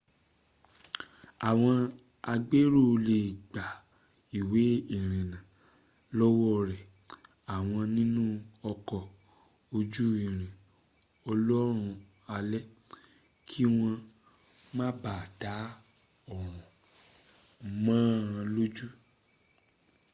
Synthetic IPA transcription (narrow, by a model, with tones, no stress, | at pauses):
a˨w̃ɔ̃˧ | a˧ɡ͡be˦ɾo˦˨˧le˨ɡ͡ba˨ | i˨we˨˦i˦˨ɾ̃ĩ˨nã˨ | lɔ˦wɔ˦ɾɛ˨ | a˨w̃ɔ̃˧nĩ˦nũ˦ɔ˧kɔ˧ | o˧d͡ʒu˦i˨ɾ̃ĩ˨ | ɔ˧lɔ˦ɾ̃ũ˧ | a˧lɛ˦ | kʰi˦w̃ɔ̃˧ | mã˦ba˦˨da˨˦ | ɔ˦˨ɾ̃ɔ̃˨ | mãː˦ã˧lo˦d͡ʒu˦